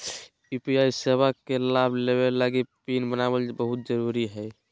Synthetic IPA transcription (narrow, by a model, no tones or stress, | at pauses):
ipiajseβakelabʱleβelaɡipinbənabəlbəɦut̪̚d͡ʒəɾuɾiɦəj